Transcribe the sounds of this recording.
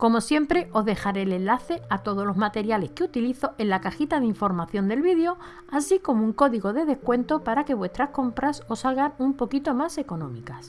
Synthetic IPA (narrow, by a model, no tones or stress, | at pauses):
ko̞mo̞sje̞mpɾe̞ʔo̞ɦðe̞xaɾeːle̞nlaθe̞at̪o̞ð̞ozlo̞zmat̪e̞ɾjale̞hkeut̪iliθo̞ʔe̞nlakaxit̪aðiɱfo̞ɾmaθjo̞nd̪e̞lβiðejo̞ | asiko̞mouŋko̞ðiɣo̞ð̞e̞ðehkwe̞nt̪opaɾake̞βwe̞st̪ɾahko̞mpɾaso̞salɣanumpo̞kit̪o̞mase̞ko̞nõ̞mikas